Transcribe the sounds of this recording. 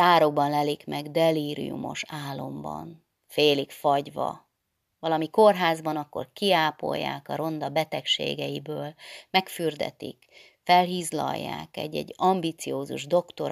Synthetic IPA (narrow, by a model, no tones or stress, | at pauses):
aːɾo̞ɡ̚bɒnlɛlikmɛɡd̪ɛliːɾḭjṵmo̞̰ʃaːlːo̞mbɒn | feːlikfɒɟʋɒ̰ | vɒlɒmiko̞rɦaːzbɒnɒkːo̞̰rkiaːpo̞̰jːa̰ːkɒɾo̞nd̪ɒbɛt̪ɛkʃḛːɡɛjibøːlmɛkfyrd̪ɛ̰t̪ik | fɛlɦiːzlɒ̰jːa̰ːkɛɟːɛɟːɒmbit̪sijoːzuʒd̪o̞kt̪o̞ɾ